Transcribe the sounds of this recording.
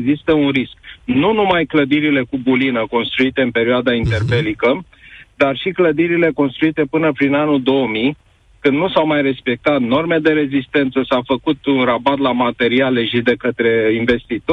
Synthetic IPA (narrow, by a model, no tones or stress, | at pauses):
ɡzist̪əunrisk̚nunumajkləd̪iɾile̞kubulinəko̞nst̪ɾuit̪e̞ɨnpe̞ɾioad̪aint̪e̞rbe̞likə | d̪arʃikləd̪iɾile̞ko̞nst̪ɾuit̪e̞pɨnəpɾinanuld̪o̞əmi | kɨnd̪nusawmajre̞spe̞k̚t̪at̪no̞rme̞d̪e̞ɾe̞zist̪e̞nt̪səsawfəkut̪unrabat̪lamat̪e̞ɾialeʃid̪e̞kət̪ɾe̞inve̞st̪it̪o